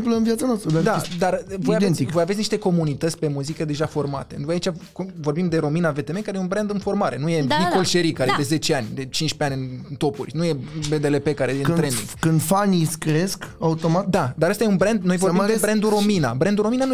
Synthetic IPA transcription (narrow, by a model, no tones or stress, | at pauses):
plənvjat̪sanoast̪ɾəd̪ad̪ad̪arvojavd̪ent̪ivo̞javesʲniʃt̪e̞ko̞munit̪ət̪sʲpe̞muzikəd̪e̞ʒafo̞rma̰t̪e̞vojait͡ʃʲakvo̞rbimd̪e̞ɾo̞minave̞t̪eme̞kaɾejeunbɾend̪ɨnfo̞rmaɾe̞nuje̞niko̞lʃeɾikaɾed̪e̞ze̞t͡ʃe̞anʲd̪e̞t͡ʃint͡ʃʲpeanʲɨnt̪o̞pṵrʲnuje̞be̞d̪e̞le̞pe̞kaɾeenɾend̪ḭŋɡ̥kɨnd̪faniskɾeskaut̪o̞mat̪d̪ad̪aɾəst̪ajeunbɾend̪̚nojvoɾd̪eebɾend̪uɾo̞mina̰bɾend̪uɾo̞minan